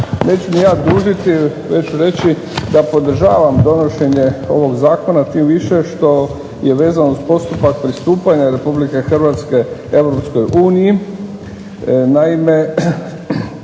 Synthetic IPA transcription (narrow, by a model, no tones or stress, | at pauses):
ne̞ːt͡ɕumijaːd̪uːʒit̪i | ʋet͡ɕuɾe̞t͡ɕi | d̪apo̞d̪r̩ʒaːʋamd̪o̞noʃe̞ɲe̞o̞̰ʋo̞ɡzaːko̞nat͡ʃiːmʋiʃe̞ʃt̪o̞ | je̞ʋe̞ːzanouzpo̞st̪upak̚pɾist̪uːpaɲaɾe̞publike̞xr̩ʋaːt̪ske̞eʋɾo̞psko̞jʔuːniji | naime̞